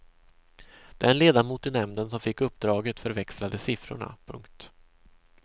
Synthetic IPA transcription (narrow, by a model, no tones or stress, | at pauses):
d̪̥ɛnleːd̪amuːt̪ɪnɛmnd̪əns̬ɔmfɪkːɵpːd̪ɾɑːɡət̪fœɾvɛkslad̪əsɪfɾʊ̰ɳa̰pʰɵ̰ŋkt̪